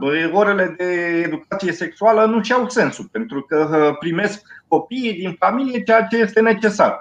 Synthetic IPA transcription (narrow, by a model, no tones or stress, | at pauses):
o̞ɾe̞le̞d̪e̞ːd̪ukat̪sije̞se̞ksualənuʃiawse̞nsupe̞nt̪ɾukəpɾime̞skːo̞piːd̪infamilijet͡ʃejat͡ʃe̞je̞st̪e̞ne̞t͡ʃe̞sa̰r